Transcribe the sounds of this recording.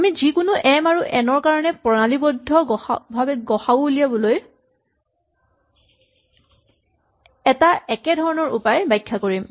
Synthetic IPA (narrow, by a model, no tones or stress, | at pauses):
amizikʊnʊʔɛmaɹuʔɛnɔɹkaɹɔnɛpɔnalibɔdʱːɔbʱabɛɡɔxaboulijabɔloj | ɛtaɛkɛdʱɔɹɔnɔɹʔṵpajbajkʰːakoɹim